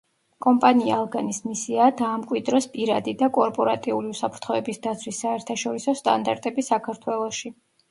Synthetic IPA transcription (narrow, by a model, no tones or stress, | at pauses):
kʼɔmpʼania̰ːlˠɡanismisiaːd̪aːmkʼwid̪ɾɔspʼiɾad̪id̪akʼɔɾpʼɔɾat̪ʼiuliusapʰɾt̪ʰχɔɛbisd̪at̪sʰwisːaɛɾt̪ʰaʃɔɾisɔst̪ʼa̰nd̪aɾt̪ʼɛbisakʰaɾt̪ʰwɛlˠɔʃi